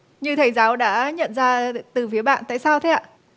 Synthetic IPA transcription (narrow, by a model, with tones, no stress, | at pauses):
ɲɨ˧t̪ʰə˨˩jzaː˨˦wɗa̰ː˧˥ɲə̰˧˨nzaː˧t̪ɨ˨˩fi˨˦əɓa̰ː˧˨nt̪a̰ː˧˨jsaː˧wt̪ʰe˨˦ʔa̰ː˧˨